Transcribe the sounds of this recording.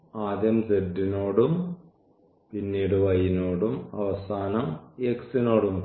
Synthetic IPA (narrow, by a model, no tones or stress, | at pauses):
aːd̪jɐmsed̪ːino̞ːɽum | pinːiːɽɨʋɐjinoːɽumɐʋɐsaːnɐmeksino̞ːɽum